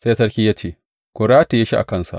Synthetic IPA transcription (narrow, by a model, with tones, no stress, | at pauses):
se˦sɐ˦ɾkʲiː˦jaː˦t͡ʃeː˦˨ | kʷʊ˨ɽaː˦te˨ja˦ʃi˦ʔa̰˨kɐ˦˨nsa̰˨ʔ